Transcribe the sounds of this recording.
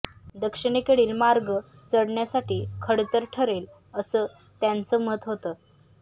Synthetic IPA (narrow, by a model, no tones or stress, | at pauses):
d̪əkʂiɽ̃ekeɽiːlmaɾɡə | t͡səɽɳjasaʈiːkʰəɽt̪əɾʈʰəɾel | əsə | t̪jant͡səm̤ət̪ɦot̪ə